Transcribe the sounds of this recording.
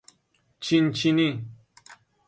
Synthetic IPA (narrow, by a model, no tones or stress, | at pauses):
t͡ʃint͡ʃinĩ